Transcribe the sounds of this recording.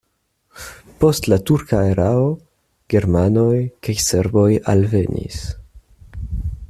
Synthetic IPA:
po̞stlatuɾkaeɾao | ɡ̥e̞ɾmanojkajse̞ɾbo̞jalve̞nḭs

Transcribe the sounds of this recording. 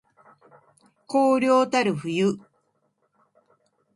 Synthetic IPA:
koːɾʲjoːt̪aɾɯɸɯjɯ

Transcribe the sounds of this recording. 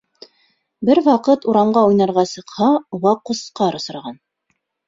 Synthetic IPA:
bɘɾwɑqɤt̪uɾɑmɢɑujnɑɾʁɑsɤ̆qhɑwɑqŏsqɑɾŏsɤ̆ɾɑʁɑn

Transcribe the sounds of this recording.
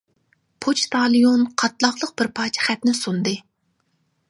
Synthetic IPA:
pʰot͡ʃt̪ʰɑlˠijonqʰɑt̪lˠɑχlˠəq̚b̥ɪɾpʰɑːt͡ʃʰɛ̥χæt̪nɪsund̪ɨ

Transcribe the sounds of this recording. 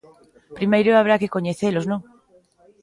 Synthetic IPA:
pɾimejɾoaβ̞ɾakekoɲeθeloznõŋ

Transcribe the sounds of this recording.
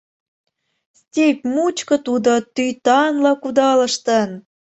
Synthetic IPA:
stʲepʲmut͡ɕkɤ̆t̪ud̪ŏt̪yjt̪ɑnlɑkud̪ɑlə̆ʃt̪ə̆n

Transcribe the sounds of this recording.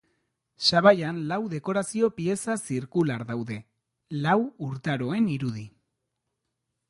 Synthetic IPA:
saβajanlawðe̞ko̞ɾasio̞pie̞sasiɾkulaɾðawðe̞ | lawuɾt̪aɾo̞e̞niɾuð̞i

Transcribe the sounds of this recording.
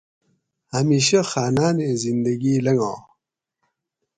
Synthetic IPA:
hamiːɕɐxaːnaːnẽzind̪ɐɡiːlɐŋɡãː

